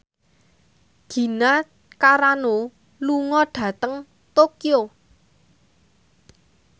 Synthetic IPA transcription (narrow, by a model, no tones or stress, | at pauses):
ɡ̥i̤na | kaɾano | luŋɔɖ̥ä̤t̪əŋ | t̪okio